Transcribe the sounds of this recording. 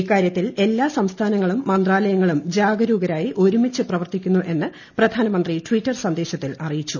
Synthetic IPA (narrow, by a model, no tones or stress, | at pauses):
kːaːɾjɐt̪ːile̞lːaːsɐmst̪ʰaːnɐŋːɐɭumːɐnd̪raːlɐjɐŋːɐɭumd͡ʑaːɡɐɾuːɡɐɾaːjiʔo̞ɾumit͡ɕːɨprɐʋɐrt̪ikʲːunːuʔe̞nːɨ | prɐd̪ʱaːnɐmɐnd̪ritwitːɐrsɐnd̪e̞ːɕɐt̪ːilɐrijit͡ɕːu